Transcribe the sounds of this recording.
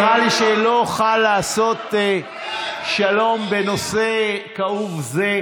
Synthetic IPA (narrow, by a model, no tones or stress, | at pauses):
ʁaliʃelo̞χalːaːso̞t̪ | ʃalo̞mbe̞no̞se̞kauvze̞